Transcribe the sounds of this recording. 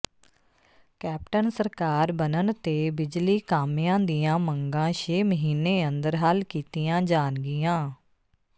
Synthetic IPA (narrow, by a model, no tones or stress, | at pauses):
kɛːp̚ʈənsəɾkaːɾbənənt̪eːbɪd͡ʒliːkaːmjãːd̪ijãːməŋɡãːʃeːməɦiːneːənd̪əɾɦaːlkiːt̪ijãːd͡ʒaːnɡɪjãː